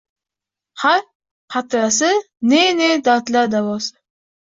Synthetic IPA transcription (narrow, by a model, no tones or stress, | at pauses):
haɾ | qʰat̪ɾasɪ | nened̪at̪lad̪avɒs